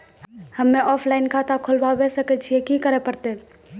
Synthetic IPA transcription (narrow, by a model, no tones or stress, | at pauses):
həmːeʔɔpʰlaɪnkʰat̪akʰolbabɛsəkɛt͡ʃʰijekikəɾɛpəɾt̪ɛ